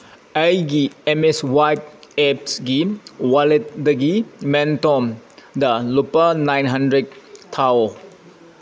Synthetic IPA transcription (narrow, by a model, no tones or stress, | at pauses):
ajɡiemeswajp̚ɛpsɡiwalet̚dəɡimɛntɔmdɐlupanajnɦandɾed̚t̪ʰːaw